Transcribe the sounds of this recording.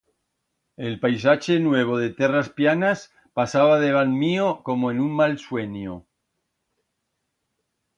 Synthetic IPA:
elpajsat͡ʃe̞nwe̞β̞oð̞e̞t̪e̞raspjanas | pasaβ̞að̞e̞β̞anmioko̞moenuŋmalswe̞ɲo

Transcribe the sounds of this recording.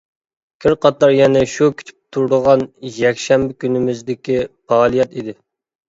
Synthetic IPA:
kʲʰɪɾqʰɑt̪ɑɾjɛnɛʃukʲʰi̥t̪ʰy̥p̚t̪ʰuɾd̪əʁɑnjɛkʲʃɛmbɪkʲynɪmɪzd̪ɪkʲipʰɑːlˠijɑt̪id̪ɪ

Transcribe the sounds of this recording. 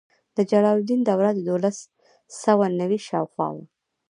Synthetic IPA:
d̪əd͡ʒaɽɑld̪ind̪awɾad̪əd̪olas | səwanawiʃɑwxwɑ̰wa̰

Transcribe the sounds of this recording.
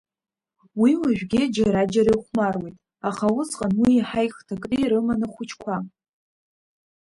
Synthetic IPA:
wiwaʒᶣʷɡʲɪd͡ʒaɾad͡ʒaɾajχʷmarwejtʼ | aχawʊsʼqʼanwiːħajχtʰakʼnɨiɾɨmanɨχʷʊt͡ʃʰkʷʰa

